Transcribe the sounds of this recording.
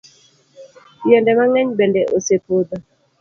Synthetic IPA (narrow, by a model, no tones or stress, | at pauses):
pjɛndɛmaŋɛɲbendɛʔosepod̪a